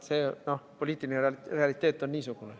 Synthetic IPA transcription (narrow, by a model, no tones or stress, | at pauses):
seːnopoliːt̪ːˑilinere̞ɑlit̪ːˑeːt̪ːˑonːiːsuɡ̥une